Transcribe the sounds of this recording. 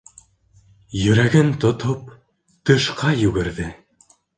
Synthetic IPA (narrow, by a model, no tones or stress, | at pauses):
jɵ̆ɾæɡɘnt̪ŏt̪op̚ | t̪ɤ̆ʃqɑjʉɡɘ̆ɾðɘ